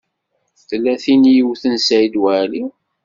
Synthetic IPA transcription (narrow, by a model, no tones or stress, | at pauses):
θlːæθinjəwθənsæid̪wæli